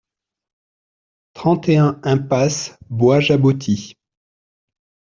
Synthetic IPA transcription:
t̪χɑ̃t̪eɛ̃ɛ̃pasbwaʒabut̪ʰi

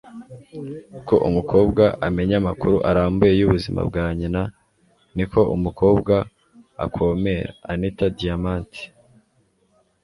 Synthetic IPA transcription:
ko̞ʔumukʰo̞ːbɡaʔame̞ɲamakuɾuʔaɾaːmbuje̞juβuzima̰b̚ɡaːɲina | niko̞ʔumukʰo̞ːbɡa | a̰kʰo̞ːme̞ɾa̰ːnitadijamaːnti̥

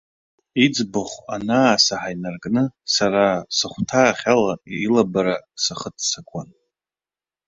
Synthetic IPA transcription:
id͡zbɨχʷa̰naːsaħajnarkʼnɨsaɾasɨχʷtʰaːχʲalalabaɾasaχətʰsakʷʰʼan

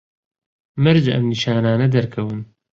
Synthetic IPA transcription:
mɨɾd͡ʒɐ̰mniʃaːnaːnɐd̪ɐɾkʰɐwɨn

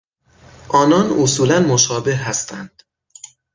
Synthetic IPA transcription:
ʔɒːnɒːnosuːlænmoʃɒːbe̞hɦæst̪ʰænd̪̥

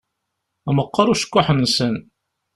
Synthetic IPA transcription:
æməqːɑɾuʃə̥kʷːʊħənːsən

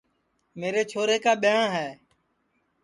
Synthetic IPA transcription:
meːɾeːt͡ʃʰoːɾeːkaːɓɪjãːɦɛː

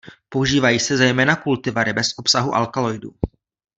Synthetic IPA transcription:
po̞uʒiːvajiːsɛzɛjmɛːnakult̪ɪvaɾɪbɛsʔo̞psaɦuʔa̰lkalo̞jdṵ

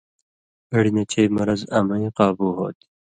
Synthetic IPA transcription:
ɐɽinɐt͡ɕʰejmɐɾɐzɐmɐjqɑːbuɦo̰ːt̪i

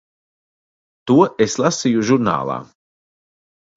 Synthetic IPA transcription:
t̪uɔʔeslˠasijuʒuɾna̰ːlˠa̰ː

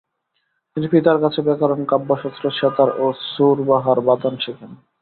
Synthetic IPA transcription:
t̪inipit̪aɾkat͡ɕʰebɛkaɾonkabːoʃɔt̪ːɾoʃet̪aɾosuɾbaɦaɾbat̪anʃekʰen

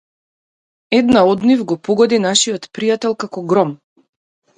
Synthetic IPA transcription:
ɛd̪naɔd̪nivɡɔpɔɡɔd̪inaʃiɔt̪pɾijat̪ɛlˠkakɔɡɾɔm

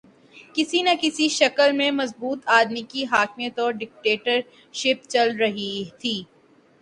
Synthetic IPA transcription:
kɪsinɐkɪsiʃɐkəlmẽmɐzbuːt̪aːd̪mikiɦaːkmijət̪ɔːɾɖɪk̚ʈeːʈəɾ | ʃɪp̚t͡ʃɐlɾɐɦit̪ʰiː

